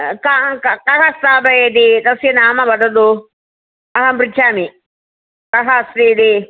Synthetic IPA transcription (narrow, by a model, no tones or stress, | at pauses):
kakkɐkɐst̪aːbɐjed̪it̪ɐsjɐnaːmɐbɐd̪ɐd̪u | ɐɦɐmpɾit͡ʃʰaːmi | kɐɦɐsɾiːd̪i